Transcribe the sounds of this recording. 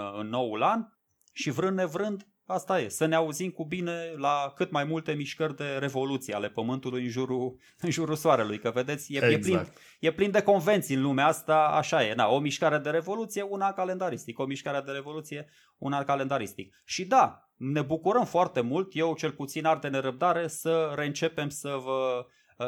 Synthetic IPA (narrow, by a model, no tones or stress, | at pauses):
ɨnːo̞wlan | ʃivɾɨnd̪e̞vɾɨnd̪ | ast̪aje̞səneauzimkubine̞lakɨt̪majmult̪e̞miʃkərʲd̪e̞ɾe̞vo̞lut̪sija̰le̞pəmɨnt̪ulujɨnʒuɾu | ɨnʒuɾusoaɾe̞lujkəve̞d̪e̞t̪sʲjejeplin | je̞plind̪e̞ko̞nve̞nt̪siɨnlumeast̪aa̰ʃaje̞d̪a̰o̞miʃkaɾed̪e̞ɾe̞vo̞lut̪sije̞unakale̞nd̪aɾist̪iko̞miʃkaɾed̪e̞ɾe̞vo̞lut̪sije | ṵnakale̞nd̪aɾist̪ḭk̚ | ʃid̪a | ne̞bukuɾəmfoart̪e̞mult̪je̞wt͡ʃe̞lput̪sinard̪e̞ne̞ɾəb̚d̪aɾe̞səɾe̞ɨnt͡ʃe̞pe̞msəvə